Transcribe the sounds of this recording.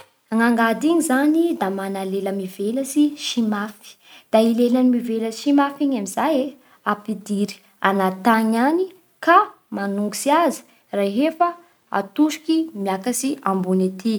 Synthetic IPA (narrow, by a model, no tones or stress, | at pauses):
aŋaŋɡad̪iɲizanid̪amanaleləmivelasiʃimafi̥ | d̪̥ailelanimiveləʃimafiɲamizaje | apid̪iɾi̥ | a̰nat̪aɲani | ka | manuŋɡisiazi̥ | raɦefə | a̰t̪uʃi̥kimjakasiambunet̪i